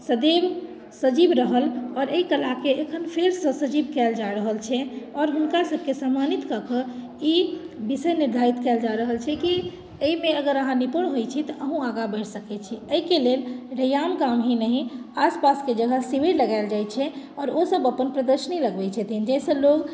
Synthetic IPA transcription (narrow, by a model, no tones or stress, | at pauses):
səd̪eb | səd͡ʒibɾəɦəlɔːɾeikəlakeːkʰənpʰeɾsə̃səd͡ʒibkɛld͡ʒaɾəɦəlt͡ʃʰɛɔɾɦunkasəb̚ʱkesamːanit̪kəkə | i | bisəjniɾd̪ʱaɾit̪kɛld͡ʒaɾəɦəlt͡ʃʰɛki | əimeəɡəɾəɦãnipuɳɦojt͡ʃʰit̪ɔʔəɦũaɡabəjʈʰsəkɛt͡ʃʰiəikelelɾəjamkamɦinəɦĩaspasked͡ʒəɡʱəsiʋeɾləɡaɪld͡ʒajt͡ʃʰɛɔːɾosəbəpənpɾəd̪əɾʃəniləɡbɛt͡ʃʰɛt̪ʰind͡ʒɛsə̃loɡ